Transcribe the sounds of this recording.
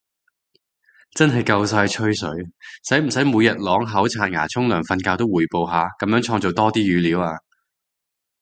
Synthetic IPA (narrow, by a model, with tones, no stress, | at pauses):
t͡sɐ˥nɦɐ˨˩jkɐ˧ws̬aː˧jt͡ʃʰɵ˥ɥsɵ˨˥ɥsɐ˨˥jm̩˨˩sɐ˨˥jmuː˨˧jɐ˨t̚lɔː˨˥ŋɦɐ˨˥wt͡sʰaː˧t̚ŋa̰ː˨˩t͡sʰʊ˥ŋlœː˨˩ŋfɐ˧nkaː˧wt̪o˥wuː˨˩jpo˨wɦaː˨˧kɐ˨˥mjœː˨˥ŋt͡ʃʰɔː˧ŋt͡so˨wt̪ɔː˥t̪iː˥jyː˨˧liː˨˥waː˧